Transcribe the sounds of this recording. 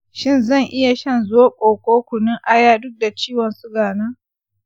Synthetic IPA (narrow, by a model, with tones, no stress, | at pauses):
ʃɪ˦˨nzɐ˦˨ŋʔɪ˦ja˨ʃɐ˦˨nzoː˦kʷʼoː˨kʷʼoː˦kʷʊ˨nɪ˦ŋʔa˦jaː˦dʊ˦k̚da˨t͡ʃiː˦wɔ˨nsʊ˦ɡaː˨naː˦